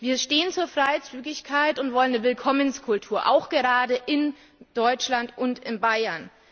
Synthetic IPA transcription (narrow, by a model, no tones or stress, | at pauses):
viːɐʃteːənt͡suːɐfʁ̥aɪt͡syːɡɪçkʰaɪtʊntv̥ɔlənːəvɪlkʰɔmənskʰʊltʰuːɐʔa̰ʊxɡ̥əʁaːdəʔɪn | d̥ɔʏt͡ʃlantʔʊntɪnbaɪɐn